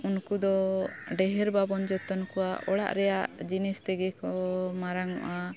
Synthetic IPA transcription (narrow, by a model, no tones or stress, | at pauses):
unkud̪ɔɖɛɦɛɾbabɔnd͡ʒɔt̪ɔnkɔwaʔɔɽa̰ʔɾɛjaʔd͡ʒinist̪ɛɡɛkɔmaɾaŋɔ̰ʔa